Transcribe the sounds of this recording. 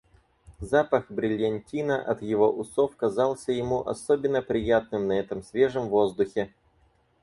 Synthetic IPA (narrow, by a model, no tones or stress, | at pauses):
zapəxbɾʲɪlʲɐnʲtʲinəʔɐt̪jɪvo̞ʔʊsofkɐzɑlˠsʲəjɪmuʔɐ̰sobʲɪnːəpɾʲɪjat̪̚nɨmnɐɛt̪əmsʲvʲe̞ʐəmvo̞zd̪ʊxʲɪ